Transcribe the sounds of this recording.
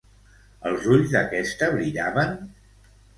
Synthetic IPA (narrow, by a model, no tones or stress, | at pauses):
əlˠzuʎzd̪əkɛst̪əβɾiʎaβən